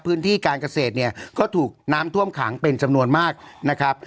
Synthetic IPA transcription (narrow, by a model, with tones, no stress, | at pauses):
pʰɯː˦˥nt̪ʰiː˥˩kaː˧nka˧seː˨˩t̪̚ni˥˩ɐkɔː˥˩t̪ʰuː˨˩k̚naː˦˥mt̪ʰu˥˩əmkʰa̰ː˩˦ŋpe˧nt͡ɕa˧mnu˧ənmaː˥˩k̚na˦˥kʰɾa˦˥p̚